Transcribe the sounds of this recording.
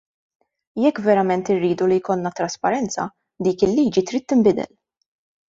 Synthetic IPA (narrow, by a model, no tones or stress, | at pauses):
jɛkːvɛɾɐmɛnt̪ɪrːiːd̪ulijkɔlnɐt̪ɾɐspɐɾɛnt͡sɐ̰ | d̪iːkɪlːiːd͡ʒit̪ɾiːt̪ːɪmbɪd̪ɛ̰l